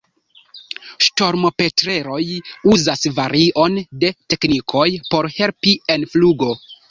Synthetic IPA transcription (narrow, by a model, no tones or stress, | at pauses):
ʃto̞ɾmo̞pe̞tɾe̞ɾo̞juzasvaɾiʔo̞nde̞te̞knikʰo̞jpo̞ɾhe̞lpie̞nfluɡo̞